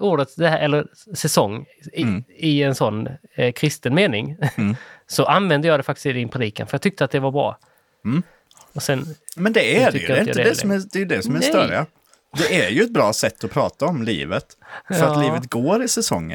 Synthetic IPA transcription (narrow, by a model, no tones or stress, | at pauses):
uːɖət̪d̪ɛhæːɾʔɛlːəɾ | sɛsɔŋː | ɪɛnsɔnː | kʰɾɪst̪ənmeːnɪŋ | sɔʔanvɛnd̪əjɑːd̪ɛfak̚t̪ɪ̥st̪ɪd̪ɪnpʰɾɛd̪iːkanfœjɑɡ̚t̪ʰʏk̚t̪əat̪̚d̪ɛvaɾbɾɑ̰ː | ɔsɛnmɛnd̪ɛæʏkəɾatɛɪnj̰̪əd̪ɛsɔmæd̪ɛjəd̪ɛsɔmæsœɾɪ̰a | d̪ɛæɾjɵɛt̪̚bɾɑːsɛt̪ːɔpʰɾɑːt̪aɔmlḭːvət̪ | fœɾaliːvət̪ɡoːɾɪsɛsɔ̰ŋːə̰n